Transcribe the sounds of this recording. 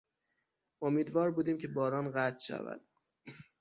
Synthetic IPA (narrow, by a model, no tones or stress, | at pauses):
omiːd̪vɒːɾbuːd̪iːmcʰebɒːɾɒːnɣæt̪ʰʃæ̰væ̰d̪̥